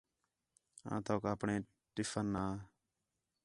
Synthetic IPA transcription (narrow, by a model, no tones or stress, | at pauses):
ã̰ːt̪oːkːəpɳẽː | ʈɪfənːaː